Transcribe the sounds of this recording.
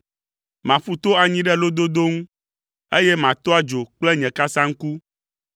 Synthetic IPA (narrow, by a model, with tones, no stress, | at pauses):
mã˨fu˦t̪o˦a˨ɲĩ˦ɖɛ˦lo˦d̪o˦d̪o˦ŋũ˦ | e˦jɛ˦mã˨t̪ɔ˦a˦d͡ʒo˨k͡plɛ˦ɲɛ̃˨ka˦sã˦ŋ̩˦ku˦